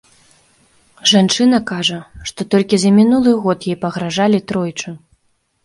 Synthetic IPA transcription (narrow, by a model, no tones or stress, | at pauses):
ʐant͡ʂɨn̪ɐkaʐɐʂt̪ɔt̪ɔlʲkʲizɐmʲinulˠɨɣɔt̪jɛjpɐɣɾaʐalʲit̪ɾɔjt͡ʂɨ